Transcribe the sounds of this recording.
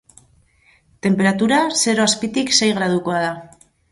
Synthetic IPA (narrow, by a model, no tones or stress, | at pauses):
t̪e̞mpe̞ɾat̪uɾase̞ɾo̞aspit̪ikse̞jɣ̞ɾaðuko̞að̞a